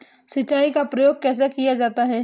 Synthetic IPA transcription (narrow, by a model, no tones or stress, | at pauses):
sɪtːt͡ʃaːikapɾɐjoːɡ̚kɛːs̬akijad͡ʒaːt̪aɦɛ